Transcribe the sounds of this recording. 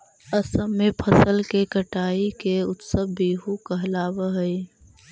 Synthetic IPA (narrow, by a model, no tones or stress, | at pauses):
əsəmːepʰəsəlkekəʈaːikeʊ̰t̪səbbiːɦukəɦlaːbəɦəi